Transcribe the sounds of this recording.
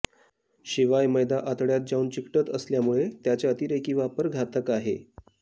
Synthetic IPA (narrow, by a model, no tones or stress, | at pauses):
ɕiʋajməjd̪aʔat̪ɽjat̪̚d͡ʑauːnt͡ɕikʈət̪əsljamuɭet̪jat͡ɕjaət̪iːɾekiːʋapəɾɡʱat̪əkaɦḛ